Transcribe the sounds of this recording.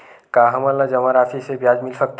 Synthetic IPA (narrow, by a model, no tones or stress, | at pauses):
kaɦɐmələd͡ʒɐmaɾaːfʰisebjaːd͡ʒmɪlsək̚t̪